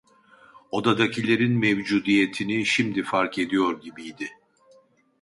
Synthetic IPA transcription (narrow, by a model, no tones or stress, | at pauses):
o̞d̪ad̪acʰilʲe̞ɾinmɛvd͡ʒuːd̪ijet̪ʰiniʃimd̪ifaɾkʰe̞d̪ijo̞ɾɟibijd̪ɪ